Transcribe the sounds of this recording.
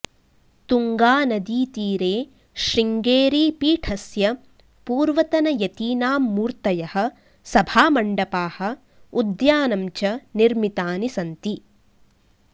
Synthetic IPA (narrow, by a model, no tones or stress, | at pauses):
t̪uŋɡaːnɐd̪iːt̪iːɾeː | ʃɾiŋɡeːɾiːpiːʈʰɐsjɐ | puːɾʋɐt̪ɐnɐjɐt̪iːnaːmːuːɾt̪ɐjɐhɐ̆ | sɐbʱaːmɐɳɖɐpaːhɐ̆ | ud̪jaːnɐmt͡ʃɐniɾmit̪aːnisɐnt̪i